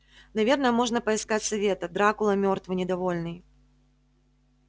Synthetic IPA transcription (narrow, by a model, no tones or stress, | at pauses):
navʲɛrnəjɛmɔʐnɐpɐiskat͡sʲsavʲet̪ɐd̪ɾakʊlˠɐmʲɔrt̪vɨnʲɪd̪avɔlʲnɨj